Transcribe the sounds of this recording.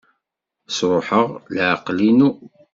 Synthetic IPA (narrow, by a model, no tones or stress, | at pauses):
sɾˤoħəʁlʕaqlinu